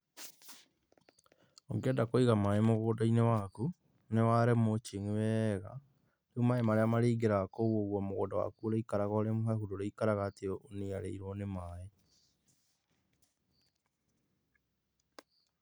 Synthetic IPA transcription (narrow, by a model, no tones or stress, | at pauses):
oŋɡedakoiɣamaemoɣoːdainewaku | newaɾemot͡ʃiŋiwɛːɣa̰ | ɾeumaemaɾeamaɾiːɡeɾakoɣwoɣwɔmoɣo̰ːdawa̰kuɾeikaɾaɣɔɾemoɦɛhudoɾeikaɾaɣaːteoʔoniaɾḛiɾwɔnemaːe